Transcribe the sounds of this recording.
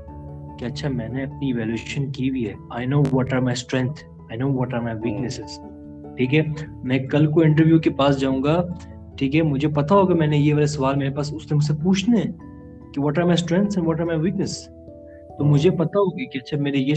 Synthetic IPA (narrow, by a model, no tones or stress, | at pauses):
keɐtːʃʰamɛ̃ːneɐp̚niʋɛːleːʃə̃nkibʱiɦɛaɪnoːʋɔʈaɪmaɪsʈɾɛ̃ŋ̚t̪ʰ | aɪnoːʋɔʈaɪmaɪʋiːknɛsɪz̥ | ʈʰiːkɦɛmɛ̃kɐlkoɪ̃ɳʈ̬əɾʋjukepaːsd͡ʒaːũŋɡa | ʈʰiːkɦɛmʊd͡ʒʱepɐt̪aɦoːɡamɛ̃ːnejeʋaːlesɐʋaːlmeːɾepaːsʊslemʊs̬epuːt͡ʃʰneɛ̃ | kiʋɔːʈaɪmaɪsʈɾɛ̃ŋt̪sɛ̃nʋɔʈaɪmaɪʋiːknəs | t̪omʊd͡ʒʱepɐt̪aɦoːɡakiɐtːʃʰameːɾeje